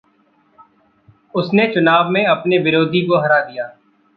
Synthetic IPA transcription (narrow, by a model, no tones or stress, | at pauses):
ʊsnet͡ʃʊnaːbmẽɐpneʋɪɾoːd̪ʱikoɦɐɾaːd̪ijaː